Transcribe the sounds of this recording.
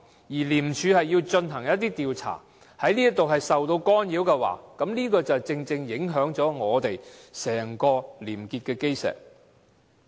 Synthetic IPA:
jiː˨˩liː˨˩mt͡ʃʰyː˨˧hɐ˨jːiː˧wt͡ʃɵ˧nɦɐ˨˩ŋjɐ˥t̪̚t̪ːiː˥t̪iː˨wt͡sʰa̰ː˨˩ | hɐ˨˥jniː˥ɐ˥t̪o˨wɦɐ˨jsɐ˨wt̪o˧wkɔː˥njiː˨˥wkɛː˧wa̰ː˨˥kɐ˨˥mniː˥kɔː˧t͡sɐ˨wt͡sɪ˧ŋt͡sɪ˧ŋjɪ˨˥ŋɦœː˨˥ŋt͡sɔː˨˥ŋɔː˨˧t̪e˨jsɛː˨˩ŋkɔː˧liː˨˩mkiː˧t̚kɛː˧ke˥jsɛ̰ː˨˩k̚

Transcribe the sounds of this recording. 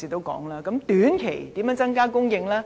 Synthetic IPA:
iː˨˩t̪o˥wkɔ̰ː˨˥ŋlaː˥kɐ˨˥mt̪yː˨˥nkʰḛ˨˩jt̪iː˨˥mjœ˨˧˥nt͡sɐ˥ŋkaː˥kʊ˥ŋjɪ˧ŋlaː˥

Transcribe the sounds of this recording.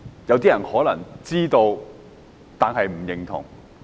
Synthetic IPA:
jɐ˨˥wt̪iː˥jɐ˨˩nhɔː˨˥lɐ̰˨˩ŋt͡siː˥t̪o˧w | t̪aː˨nɦɐ˨jm̩˨˩jɪ˨ŋt̪ʰʊ̰˨˩ŋ

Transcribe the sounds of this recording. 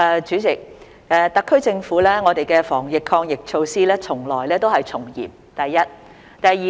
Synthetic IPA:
ɛː˨t͡ʃyː˨˥t͡sɪ˨k̚ | ɛ˨˧t̪ɐ˨kʰːɵ˥ɥt͡sɪ˧ŋfuː˨˥lɛː˥ŋɔː˨˧t̪e˨jkɛː˧fɔː˨˩ŋjɪ˨kʰːɔː˧ŋjɪ˨k̚t͡ʃʰo˧wsiː˥lɛː˥t͡sʰʊ˨˩ŋlɔː˨˩jlɛː˥t̪o˥whɐ˨jt͡sʰʊ˨˩ŋjḭː˨˩p̚t̪ɐ˨jːɐ˥t̚ | t̪ɐ˨jiː˨

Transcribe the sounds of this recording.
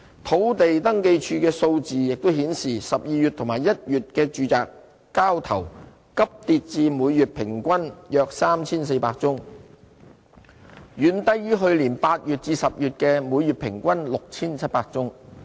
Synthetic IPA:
t̪ʰo˨˥wt̪e˨jt̪ɐ˥ŋke˧jt͡ʃʰyː˧kɛː˧so˧wt͡siː˨jɪ˨k̚t̪o˥wɦiː˨˥nsiː˨˩sɐ˨p̚jiː˨jy˨t̪̚ʰʊ˨˩ŋmaː˨˩jɐ˥t̚jyː˨t̚kɛː˧t͡ʃyː˨t͡saː˨kː | aː˥wt̪ʰɐ˨˩w | kɐ˥p̚t̪iː˧t̚t͡siː˨˧muː˨˧jyː˨t̚pʰɪ˨˩ŋkʷɐ˥njœː˧k̚saː˥mt͡sʰiː˥ns̬e˧jpaː˧k̚t͡sʊ˥ŋ | jyː˨˥nt̪ɐ˥jyː˥ɦɵ˧ɥliː˨˩npaː˧t̚jyː˨t̚t͡siː˧sɐ˨p̚jyː˨t̚kɛː˧muː˨˧jːyː˨˩t̚pʰɪ˨˩ŋkʷɐ˥nlʊ˨k̚t͡sʰiː˥nt͡sʰɐ˥t̚paː˧k̚t͡sʊ˥ŋ

